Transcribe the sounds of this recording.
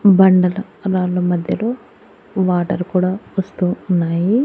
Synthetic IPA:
bɐɳɖɐlɐ | ɾaːlɐmɐd̪ʱjɐlo̞ː | ʋaːʈɐɾkuːɽaːʋɐst̪uːnːaːji

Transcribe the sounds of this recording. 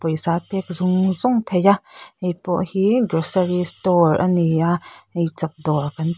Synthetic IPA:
pɔjsaːpɛk̚zʊŋzɔŋt̪ʰejaʔʔejpɔ̰ʔhiɡɾɔsəɾistɔrɐniaʔʔejt͡sap̚d̪ɔrkɐn

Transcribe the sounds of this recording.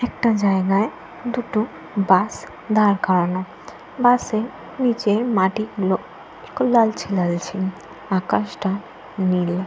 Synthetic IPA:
ɛk̚ʈad͡ʑaeɡae | d̪uʈo | bas | d̪aɾkaɾano | base | nit͡ɕejmaʈiklo | kolalt͡ɕʰilalt͡ɕʰi | akaʃʈa | nil

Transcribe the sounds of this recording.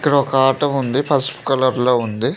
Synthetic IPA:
ikːɐɽɐɔkɐaːʈɐmund̪ipʰɐspu̥kɐlɐɾloːund̪i

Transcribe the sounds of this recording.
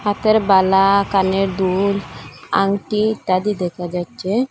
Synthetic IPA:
at̪əɾbalakaneɾd̪ula̰ŋɡʈit̪ad̪id̪ɛkʰad͡ʒat͡ʃe

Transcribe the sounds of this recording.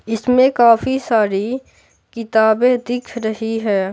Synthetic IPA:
ɪsmẽkaːfisaːɾi | kɪt̪aːbed̪ɪkʰɾɐɦiɦɛː

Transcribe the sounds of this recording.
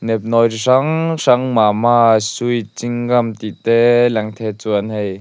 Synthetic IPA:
nɛp̚nɔjʂɐŋʂɐŋmamaːsujt͡siŋɡɐmt̪it̪ɛlɛŋt̪ʰɛt͡suanhɛj

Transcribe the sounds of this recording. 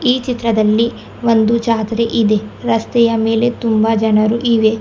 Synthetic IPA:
iːt͡ʃit̪ɾɐd̪ɐlːi | ʋond̪ut͡ʃaːt̪ɾeʔid̪e̞ɾɐst̪ɛjɐme̞ːle̞t̪umbɐd͡ʒɐnɐɾuʔiʋe̞

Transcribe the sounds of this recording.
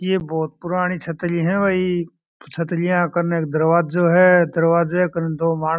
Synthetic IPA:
jeːbɔːt̪̚pʊɾaːɽ̃it͡ʃʰət̪liɦɛ̃ːʋəi | t͡ʃʰət̪lɪjãkɐɾneːk̚d̪ɐɾʋaːdd͡ʒoːɦɛd̪ɐɾʋaːzeɛkəɾnd̪oːmaː

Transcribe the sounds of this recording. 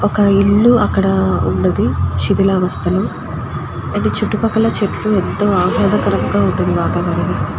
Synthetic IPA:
ɔkɐiɭːuɐkːɐɽɐṵɳɖɐnd̪iʃid̪ilaːʋɐst̪ɐlu | ɐnit͡ʃuʈːupɐkːɐlɐt͡ʃeʈluent̪ːoːaːɦɔːd̪ɐkɐɾɐŋɡaːuɳʈund̪iʋaːt̪aːʋaːɾɐni

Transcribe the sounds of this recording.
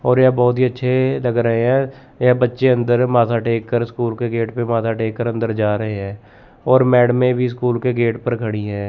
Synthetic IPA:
ɔːɾjɛbɔːt̪ɦiətːʃʰeləɡɾəɦeɦɛ̃ː | ɛbətːʃeə̃nd̪əɾmaːt̪ʰaːʈeːkːəɾskuːlkeɡeːʈpemaːt̪ʰaːʈeːkːəɾə̃nd̪əɾd͡ʒaːɾəɦeɦɛ̃ː | ɔːɾmɛːɖmẽbʱiskuːlkeɡeːʈpəɾkʰəɽ̃iɦɛ̃ː

